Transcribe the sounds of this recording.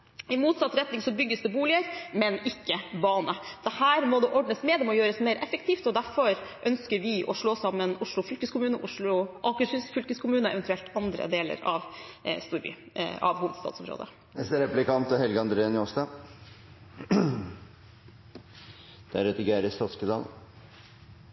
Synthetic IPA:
ɪmuːt̪sɑt̪ːɾɛt̪nɪŋsɔbʏɡːəsd̪ɛbuːlɪəɾmɛnɪkːəbɑːnəd̪̥ɛhæːɾmɔd̪ɛʔɔɖɳəsmɛːd̪ɛmɔjøːɾəsmeɪɾʔɛfəkt̪ʰiːft̪ɔd̪æɾfɔɾʔœnskəɾʋɪʔɔʂɭoːsɑmːənʊʂɭʊfʏlkəskʊmʉːnəʔʊʂɭʊʔɑkəsʏsfʏlkəskʰʊmʉːnəɛ̰ʋɛnt̪ʉɛlt̪ɑnd̪ɾə̰d̪eːlə̰ɾɑ̰ʋst̪uːɾby̰ː | ɑ̰ʋhuːʋəd̪̥st̪ɑ̰t̪sɔmɾo̰ːd̪ə̰ | nɛst̪ɾɛplɪkʰɑnt̪ɔhɛlɡəɑnd̪ɾeːənoːst̪ɑ | d̪̥æɾœt̪əɡæːɾəst̪ɑt̪skəd̪ɑ̰ːl

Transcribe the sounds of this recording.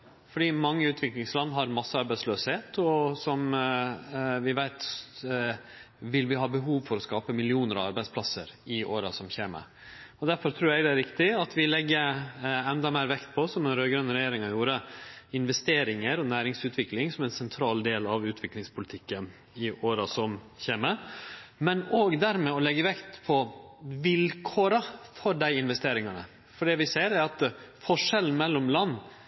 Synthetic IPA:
fɔɖiːmɑŋːəʉːt̪ʰʋɪklɪŋslɑnːɦɑɾmɑsːəɑɾbæɪsløːsheːt̪ʰɔsɔm | ʋɪʋæɪt̪ | ʋɪlʋɪɦɑːbəɦuːʋfɔɾɔskɑːpəmɪlɪuːnəɾɑʋɑɾbæɪspʰlɑsəɾɪʔoːɾɑsɔmçeːmə̰ | ɔd̪æɾfɔɾt̪ʰɾuːɾɛɪɡd̪ɛæɾɪkt̪ɪɑt̪ʋɪlɛɡːəɛnd̪ɑmæɪɾʋɛkt̪̚pʰɔsɔmɛnɾøːɡɾœnːɾɛjeːɾɪŋɑjuːɾəɪnʋɛst̪eːɾɪŋəɾɔnæːɾɪŋsʉːt̪ʰʋɪklɪŋsɔmɛnsɛnt̪ʰɾɑːld̪eːlɑʋʉːt̪ʰʋɪklɪŋspʰʊlɪt̪ʰɪkːən | ɪʔoːɾɑsɔm | çeːməmɛnoːɡd̪æɾmɛɔlɛɡːəʋɛkt̪pʰɔʋɪlkʰoːɾɑfɔɖæɪɪnʋɛst̪eːɾɪŋɑnə̰ | fɔɖɛʋɪseːɾæɾɑt̪fɔʂɛln̩mɛlːɔmlɑnː

